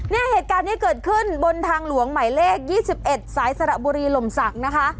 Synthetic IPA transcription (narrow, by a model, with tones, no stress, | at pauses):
nɛː˥˩heː˨˩t̪̚kaː˧nːiː˦˥kɤː˨˩t̪̚kʰɯ˥˩nbo˧nt̪ʰaː˧ŋlu˨˩˦əŋma˨˩˦jleː˥˩k̚jiː˥˩si˨˩p̚ʔe˨˩t̪̚saː˩˦jsa˧ɾa˨˩buː˧ɾiː˧lo˨˩msa˨˩k̚na˦˥kʰa˦˥ʔ